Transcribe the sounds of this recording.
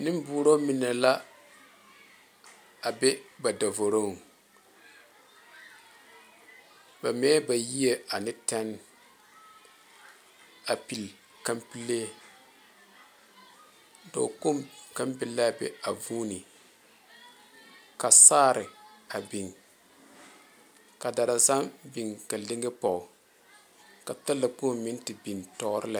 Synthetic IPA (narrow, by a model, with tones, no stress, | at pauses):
nɨ˦m˦buː˨˦ɾo˦mi˨na˨la˦ | a˨bɛ˦ba˨da˨vo˨ɾo˦˨ŋ˨ | ba˨mɛː˦ba˨ji˦e˨a˨nɪ˦tɛ˦n | a˨pi˨l | ka˦mpi˦lːe˦ | do̰˨ko˦mka˦mbɪ˨lːa˦˨bɛ̰˨a˨vuː˦ni˨ | ka˨saː˦ɾɪ˨a˨bi˨ŋ | ka˨da˨ɾa˨sa˦mbi˨ŋka˨lɪ˦ŋɡɪ˦pɔ˨ʊ˨ | ka˨ta˦lːa˨po˦˨mmɪ˦n˦tɪ˨bi˨ntɔ˦ɾɪ˦la˨